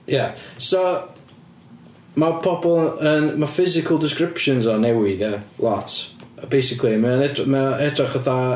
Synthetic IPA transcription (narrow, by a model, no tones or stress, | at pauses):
jaso | mapʰɔbɔlˠənmafɪzɪkʰəlˠdɪskrɪpʃənzɔnɛwɪðjəlˠɔtʰbejsɪkʰlˠimɛɔnɛdmɛɛdraχəθa